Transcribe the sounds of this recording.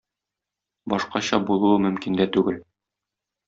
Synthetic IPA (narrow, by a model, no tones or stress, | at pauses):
bɒʃqɑɕɑbulˠɤ̆ɤmɵ̆mkind̪æt̪ʉɡɘl